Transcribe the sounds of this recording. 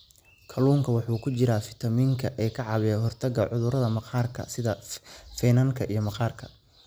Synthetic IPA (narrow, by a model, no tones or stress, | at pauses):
kʰɐluːŋkʰɐwɑħuːkʰʊt͡ʃɪɾaːfɪ̥t̪ʰɐmiːŋkʰɐʔɛːkʰɐʕɑβɛɦɔrt̪ʰɐɡɐʕʊðʊɾɐðɐmɑqʰɑːrkʰɐ̰sɪðɐfɛnɐŋkʰɐʔijɞmɑqɑːrkʰɐ̥